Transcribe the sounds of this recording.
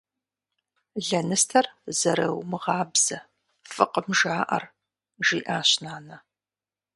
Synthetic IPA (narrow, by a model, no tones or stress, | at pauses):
ɮɐnɨstʰɐrzɐɾɐwmɨʁɑːbz̥ɐ | fɨqəmʒaːʔɐ̰r | ʒiːʔaːɕnaːnɐ